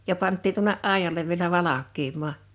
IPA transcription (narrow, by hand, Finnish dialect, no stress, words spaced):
jɑ pɑntːiːn tuŏneʔ ʔɑˑijɑleʋ ʋielæ ʋɑlɑkˑiːmˑɑː